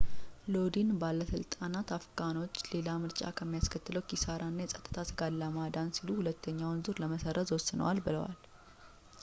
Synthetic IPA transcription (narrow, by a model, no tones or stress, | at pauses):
lo̞d̪inbalːəsɨlt̪ʼanat̪afkʰʼano̞t͡ʃːle̞lamɨɾt͡ʃʼa̰kʰəmːijaskʰət̪ːɨləwkisaɾʔanːajɛsʼət̪ʼːɨ̥t̪ʰasɨɡalːamad̪ansiluhulət̪ʰːəɲːawnzɨɾləməsərːət̪zwɔsːɨnə̰walbɨləwa̰l